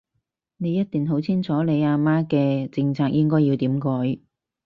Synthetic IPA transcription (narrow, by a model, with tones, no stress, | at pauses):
ne˨˧jɐ˥t̚t̪iː˨nɦo˨˥wt͡sʰiː˥nt͡sʰɔː˨˥le˨˧jaː˧maː˥kɛː˧t͡sɪ˧ŋt͡sʰaː˧k̚jɪ˥ŋkɔː˥jiː˧wt̪iː˨˥mkɔː˨˥j